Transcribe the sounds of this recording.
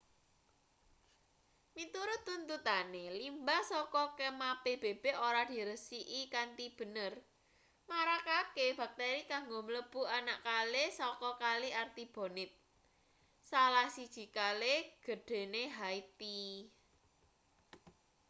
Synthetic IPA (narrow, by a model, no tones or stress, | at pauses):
mit̪uɾʊt̪ːunt̪ut̪anelimbasɔkɔkemab̥eb̥eb̥eoɾad̪̥i̤ɾəsiʔikant̪ib̥ə̤nər | maɾakakeb̥a̤k̚t̪eɾikaŋɡomələb̥ṳanaʔkalesɔkɔkaliart̪ib̥o̤nɪt̪̚ | salahsid̥ʒ̥i̤kaleɡ̥ə̤ɖ̥e̤neɦait̪i